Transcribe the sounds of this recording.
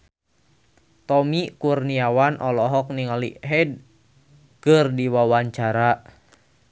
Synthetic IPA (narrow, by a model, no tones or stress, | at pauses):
t̪ɔmikurniawanʔɔlɔɦɔk̚niŋalḭɦɛd̚ | kɨrdiwawaɲt͡ʃaɾa